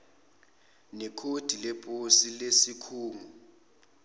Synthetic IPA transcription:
nɛkʰod̥ʱilepʼosilesikʰuːŋu

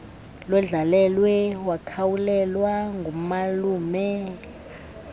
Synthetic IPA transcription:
lwɛɮalɛlwɛwakʰawulɛlwaŋɡʱumaluːmɛ

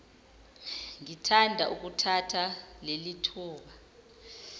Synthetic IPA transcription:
ŋitʰandʱaʔuk̬ʼutʰatʰalelitʰuːɓa

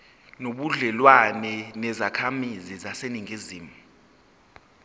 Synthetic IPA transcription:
noɓuɮɛlwanɛnɛzakʰamizizaseniŋiziːmu

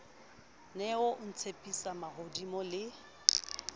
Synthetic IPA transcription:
nɛʊʔʊn̩t͡sʰepʼisamaɣodimɔlɪ

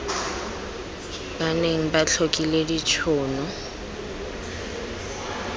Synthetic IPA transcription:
baneŋ̩bat͡ɬʰokʼiledit͡ʃʰɔːnɔ

